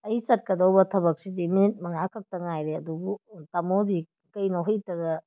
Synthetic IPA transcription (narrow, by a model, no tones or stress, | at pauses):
ɐjisɐt̚kɐdowbɐtʰɐβɐk̚sidiminit̚mɐŋakʰɐk̚tɐŋajɾeɐdubutamodi | kɐjnoɦɔjtɐɡɐ